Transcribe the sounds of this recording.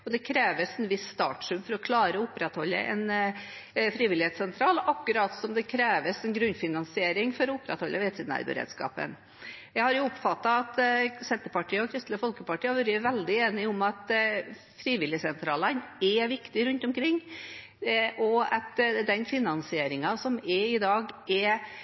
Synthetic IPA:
ɔd̪ɛkʰɾeːʋəsɛnʋɪsːt̪ɑ̰ːʈʂʉmfɔɾɔkʰlɑːɾəɔʊpɾɛt̪hɔlːə̰ʔɛ̰n | fɾiːʋɪlɪheːt̪sɛnt̪ʰɾɑːlɑkːʉɾɑt̪sɔmd̪ɛkʰɾeːʋəsɛnɡɾʉnːfɪnɑnsɪeːɾɪŋfɔɾɔʊpɾɛ̰t̪hɔlːʔəʋeːt̪siːd̪næ̰ɾbə̰ɾḛːd̪skɑ̰ːpə̰n | jæɪhɑɾjʊʊpːfɑt̪ːɑɑt̪sɛnt̪əɾpɑʈʰiːəɔkʰɾɪst̪ləfɔlkəpɑʈiːɑʋøɾəʋɛld̪ɪeːnɪʊmɑt̪ | fɾiːʋɪlɪəsɛnt̪ʰɾɑːlənɛʋɪkt̪ɪɾʉnt̪ɔmkʰɾɪŋː | ʔɔɑt̪d̪ɛnfɪnɑnsɪeːɾɪŋɑsɔmɛɪd̪ɑːɡɛ

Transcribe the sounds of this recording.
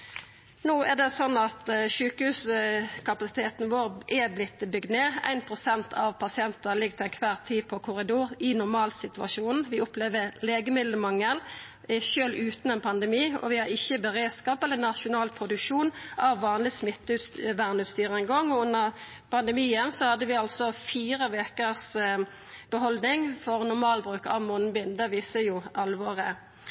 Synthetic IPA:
nuːʔæd̪ɛsɔnːɑt̪ʃʉːkəhʉːskʰɑpɑsɪ̥t̪ʰeːt̪nʋoːʁʔɛblɪt̪ːɪbʏɡd̪neːæ̰ɪnpʰʁʊsɛnt̪ʰɑʋpʰɑsɪɛnt̪əlɪɡ̚t̪ʰɪlænkʰʋæːʁt̪ʰiːpʰɔkʰʊʁɪd̪uːʁɪnʊʁmɑːlsɪt̪ʉɑ̰ʃuːnʋɪʊpleːʋəʁleːɡəmɪd̪ləmɑŋːəl | ʃøːlʉːt̪n̩ɛnpʰɑnd̪ɛmiːɔ̰ʋɪhɑɾɪçːəbəʁeːd̪skɑːpɛlːənɑʃʊnɑːlpʰɾʊd̪ʉkʂuːnʔɑʋːɑːnlɪsmɪt̪ːəʉt̪sʋæʁnʉt̪st̪yːʁəɛŋɡɔŋːɔʉnːəʁ | pʰɑnd̪əmiːənsɔhɑd̪ːəʋɪɑlsɔfiːɾəʋeːkəs | b̥əɦɔld̪nɪŋfɔʁnʊɾmɑːlbɾʉːkɑ̰ʋmɔnbɪnd̪ɛʋiːsəjʊʔɑlːʋoːʁə

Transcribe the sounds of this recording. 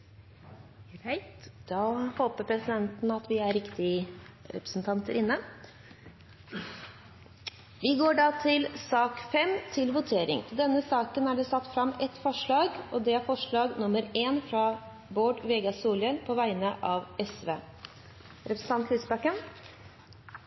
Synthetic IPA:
t̪d̪̥ɑːhoːpəɾpʰɾɛsɪd̪ɛnt̪nɑt̪ʋɪæɾɾɪkt̪ɪəɾɛ̰pɾə̥sn̩t̪ʰɑnt̪əɾʔɪnːə | ʋɪɡoːɖɑt̪ʰɪlsɑːkfɛmt̪ʰɪlʋʊt̪ʰeːɾɪ̰ŋt̪ɪd̪ɛnːəsɑːkənæɖɛsɑt̪ːfɾɑmɛt̪ːfɔʂɭɑːɡʔɔd̪ɛæɾfɔʂɭɑːɡnʊmːəɾeːnfɾɑ | boːɖʋɛɡɑsuːlənpʰɔʋæɪnəʔɑʋɛsʋeː | ɾɛpɾəsn̩t̪ɑnt̪lisbɑkən

